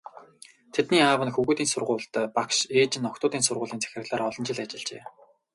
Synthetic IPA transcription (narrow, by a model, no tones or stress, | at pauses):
t̪ʰet̪niːaːwə̆nxɵɣuːt̪iːnsʊrʁʊːɮt̪ːpakʃeːt͡ɕɪ̆nːɔkt̪ʊːt̪iːnsʊrʁʊːɮiːnt͡sʰæ̥xʲrɘ̆ɣɮaːɾɔɮɞ̆nt͡ɕɪ̆ɮat͡ɕɪ̆ɮt͡ɕḛː